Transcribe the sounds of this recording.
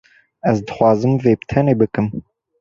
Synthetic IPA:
ɛzd̪ɨxʷɑːzɨmveːbt̪ʰɛneːbɨkɨm

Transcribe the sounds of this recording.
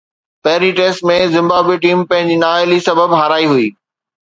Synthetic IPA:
pɐɦɪɾiʈeːsʈmẽzɪ̃mbaːbweʈ̬iːmpɐ̃ɦɪ̃ɲd͡ʑinaːɪlisɐbəbɦaːɾaːiɦuiː

